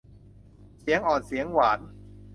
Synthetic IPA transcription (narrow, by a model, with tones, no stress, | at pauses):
si˩˦əŋʔɔː˨˩nsi˩˦əŋwaː˩˦n